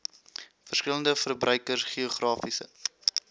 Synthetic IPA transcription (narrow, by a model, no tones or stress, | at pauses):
fərskələndəfərbrʔœɥkərsχioχrɑːfisə̰